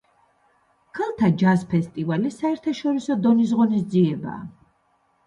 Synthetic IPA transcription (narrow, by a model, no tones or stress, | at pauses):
kʰalˠt̪ʰad͡ʒaspʰɛst̪ʼivalisaɛɾt̪ʰaʃɔɾisɔd̪ɔnis̬ʁɔnisd̪ziɛba̰ː